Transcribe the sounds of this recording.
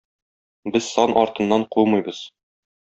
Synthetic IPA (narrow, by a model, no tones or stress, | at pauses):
bɘz̥sɒnʔɒɾt̪ɤ̆nːɑɴqulˠmɤ̆jbɤz̥